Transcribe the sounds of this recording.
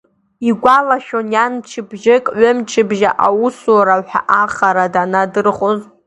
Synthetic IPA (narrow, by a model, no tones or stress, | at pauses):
iɡʷalaʃᶣonjant͡ʃʰɪbʒɪkʼʕʷʊmt͡ʃʰɪbʒaʔawʊslaɾaħʷᶣa̰ʔaχaɾadanadɨrχoz